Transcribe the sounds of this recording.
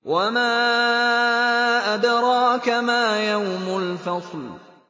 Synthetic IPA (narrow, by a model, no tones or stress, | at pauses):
wamaː | ʔad̪ɾˤɑːkamaːjawmʊlfɑsˤl